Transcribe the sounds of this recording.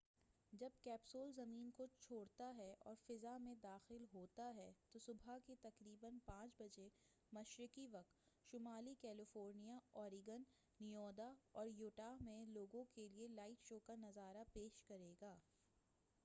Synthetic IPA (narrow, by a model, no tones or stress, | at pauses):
d͡ʒɐb̚kɛːpsoːlzɐmiːnkot͡ʃʰoːɽt̪aɦɛʔɔ̰ːɾfɪzamẽd̪aːxɪlɦoːt̪aɦɛt̪osʊbʱaket̪ɐkɾiːbənpãːt͡ʃbɐd͡ʒe | mɐʃɾɪkiʋɐq̚t̪ | ʃʊmaːlikɛːlɪfoːɾnijaɔːɾɪɡənː | ijɔːd̪aɔːɾjoːʈamẽloːɡõkelielaːɪʈʃoːkanɐzaːɾapeːʃkɐɾeːɡaː